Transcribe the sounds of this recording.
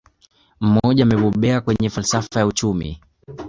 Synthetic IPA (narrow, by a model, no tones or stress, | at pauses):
m̩mɔʄaːmɛɓɔɓɛakwɛɲɛfalsafajaut͡ʃumḭ